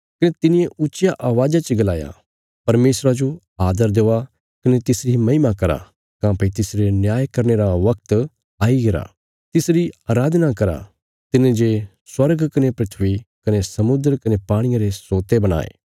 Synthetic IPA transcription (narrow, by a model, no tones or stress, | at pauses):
kɐnet̪ɪnɪjeʊːt͡ʃjaʔaːʋaːd͡ʒat͡ʃeɡɐlaːja̰ | pɐɾmeːsɾad͡ʒo | aːd̪əɾd̪eːa | kɐnet̪ɪsɾimɐɪmakɐɾa̰ | kãːpɐit̪ɪsɾenjaːjkɐɾneɾaʋɐkt̪ | aːiɡɐɾa̰ | t̪ɪsɾiaːɾaːd̪nakɐɾa̰ | t̪ɪnẽd͡ʒe | swɐɾɡkɐnepɾɐt̪ʰʋikɐnesɐmʊd̪əɾkɐnepaːɽ̃ɪjãɾesoːt̪ebɐɽ̃a̰ːḛː